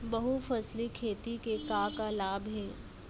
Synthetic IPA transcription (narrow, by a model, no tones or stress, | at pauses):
bɐɦufɐslikʰeːt̪ikekaːkalaːbɦɛː